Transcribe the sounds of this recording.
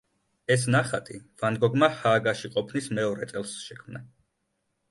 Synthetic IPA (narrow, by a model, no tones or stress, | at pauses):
ɛs̬naχat̪ʼivanɡɔɡmahaːɡaʃiqʼɔpʰnismɛɔɾɛt̪sʼɛlˠsʃɛkʰmna